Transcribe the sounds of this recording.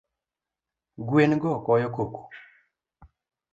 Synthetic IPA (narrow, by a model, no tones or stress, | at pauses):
ɡwenɡɔkɔjɔkoku̥